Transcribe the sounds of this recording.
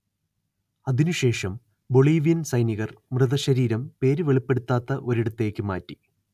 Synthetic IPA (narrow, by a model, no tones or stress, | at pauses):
ɐðinuɕe̞ːʂɐm | bo̞ɭiːʋijɐnsɐjniɣɐrmrɨðɐɕɐɾiːɾɐmpe̞ːɾɨʋe̞ɭipːe̞ɽut̪ːaːt̪ːɐʔo̞ɾiɽut̪ːe̞ːkʲːɨma̰ːtːi̥